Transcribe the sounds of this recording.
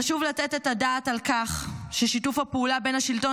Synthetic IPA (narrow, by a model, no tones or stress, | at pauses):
aʃuvlatetetadaːtalkaχʃeʃitufhapeulabe̞nhaʃilto̞